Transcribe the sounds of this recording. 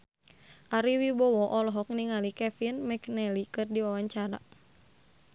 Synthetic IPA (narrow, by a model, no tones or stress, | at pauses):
ʔaɾiwibɔwɔʔɔlɔɦɔk̚niŋalikɛfinmɛknɛlikɨrdiwawaɲt͡ʃaɾa̰